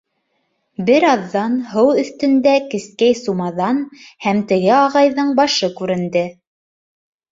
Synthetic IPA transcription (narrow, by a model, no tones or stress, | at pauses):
bɘɾɑðːɑnɦɤwɵ̆θt̪ɘ̆nd̪ækɘ̆skæjsumɑðɑnhæmt̪ɘ̆ɣɘɑʁɑjðɤɴbɑʃɤkʉɾɘ̆nd̪ɘ